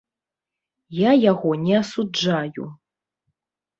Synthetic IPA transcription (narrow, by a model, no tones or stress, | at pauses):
jajaɣɔnʲɛɐsud͡ʐajṵ